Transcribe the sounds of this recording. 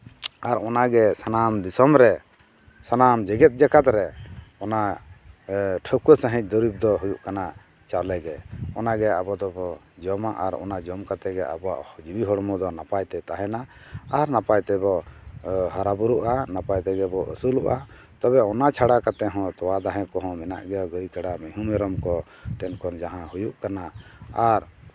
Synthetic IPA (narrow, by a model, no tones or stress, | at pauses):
aɾɔnaɡɛsanamd̪isɔmɾɛ | sanamd͡ʒɛɡɛt̪̚ˀd͡ʒakat̪ɾɛɔna | ʈʰəkusaɦĩc̚ˀd̪ɔɾib̚d̪ɔɦujuʔkana | t͡ʃalɛɡɛɔnaɡɛabɔd̪ɔbɔ | d͡ʒɔmaʔaɾɔ̰nad͡ʒɔmkat̪ɛɡɛʔa̰bɔa̰ʔhd͡ʒibiɦɔɽɔmɔd̪ɔnapajt̪ɛt̪aɦɛna | aɾnapajt̪ɛbɔ | hɔɾabuɾuʔanapajt̪ɛɡɛbɔʔəsuluʔa | t̪ɔbɛɔnat͡ʃʰaɽakat̪ɛɦɔ̃t̪ɔwad̪aɦɛ̃kɔɦɔ̃mɛna̰ʔɡɛɔɡəjkaɽamɛɦumɛɾɔmkɔ | t̪ɛnkɔnd͡ʒaɦãhujuʔkanaaɾ